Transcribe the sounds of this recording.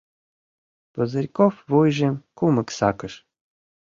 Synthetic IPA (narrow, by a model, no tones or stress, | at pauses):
pəzəɾʲkofvojʒemkumə̆ksɑkəʃ